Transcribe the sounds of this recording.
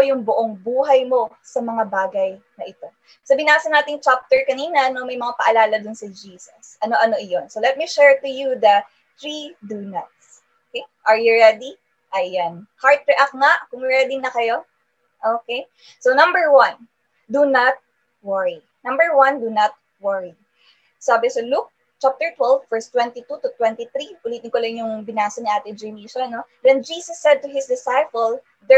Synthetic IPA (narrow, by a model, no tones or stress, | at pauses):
jʊŋbʊʔoŋbuːɦɐjmo̞ | sɐmɐŋabaːɡɐj | nɐʔɪt̪o̞ | sɐbɪnaːsɐnaːt̪ɪŋt͡ʃap̚t̪ɛɹkɐniːnɐnomɐjmɐŋapɐʔɐlaːlɐd̪ʊnsɐd͡ʒiːsɐsʔɐno̞ʔɐno̞ʔɪjonsolɛt̪̚miʃɛɹt̪ʊjuðɐ | θɹid̪unɐt̪̚s | okejʔɐɹjʊɹɛd̪i | ʔɐjanhaɹt̪̚ɹɛʔak̚ŋaʔkʊŋɹɛd̪ɪnɐkɐjo̞ | ʔoːkej | sonɐ̃mbɛɹwɐ̃n | d̪unɐt̪̚ | wɐɹi | nɐ̃mbəɹwɐ̃nd̪unɐt̪̚ | wɐɹi | saːbɪsɐluk̚ | t͡ʃap̚t̪ɛɹt̪wɛlvːɛɹst̪wɛ̃nt̪it̪ut̪ut̪wɛ̃nt̪iθɾiʔʊliːt̪ɪŋkolɐjnjʊŋbɪnaːsɐnɪʔaːt̪ɪd͡ʒɹimiʃoɐnod̪ɛnd͡ʒiːsɐsːɛd̪̚t̪ʊɦɪsd̪ɪsajpɐl | d̪ɛ